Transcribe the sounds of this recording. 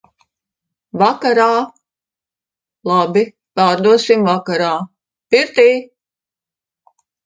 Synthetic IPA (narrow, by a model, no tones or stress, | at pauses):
vakaɾaː | lˠabi | paːɾd̪uɔsimvakaɾaː | piɾt̪iː